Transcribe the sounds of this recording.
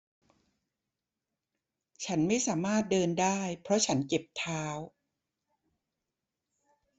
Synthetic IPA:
t͡ɕʰa˦˥nma˥˩jsaː˩˦maː˥˩t̪̚dɤː˧ndaː˥˩jpʰɾɔ˦˥t͡ɕʰa˦˥nke˨˩p̚t̪ʰaː˦˥w

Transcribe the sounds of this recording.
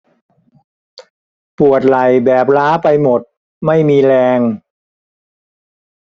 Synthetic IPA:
pu˨˩ət̪̚la˨˩jbɛː˨˩p̚laː˦˥pa˧jmo˨˩t̪̚ | ma˥˩jmiː˧ɾɛː˧ŋ

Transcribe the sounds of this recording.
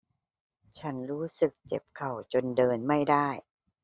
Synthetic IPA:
t͡ɕʰa˦˥nɾuː˦˥sɯ˨˩k̚t͡ɕe˨˩p̚kʰa˨˩wt͡ɕo˧ndɤː˧nma˥˩jda˥˩j

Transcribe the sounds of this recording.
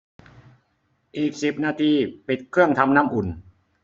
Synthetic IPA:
ʔiː˨˩k̚si˨˩p̚naː˧t̪ʰiː˧pi˨˩t̪̚kʰɯ˥˩əŋt̪ʰa˧mna˥˩mʔu˨˩n

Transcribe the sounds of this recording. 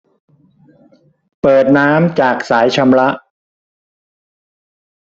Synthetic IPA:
pɤː˨˩t̪̚naː˦˥mt͡ɕaː˨˩k̚saː˩˦jt͡ɕʰa˧mɾa˦˥ʔ

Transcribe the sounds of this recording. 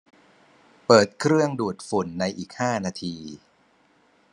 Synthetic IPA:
pɤː˨˩t̪̚kʰɾɯ˥˩əŋduː˨˩t̪̚fu˨˩˦nːa˧jʔiː˨˩k̚haː˥˩naː˧t̪ʰiː˧

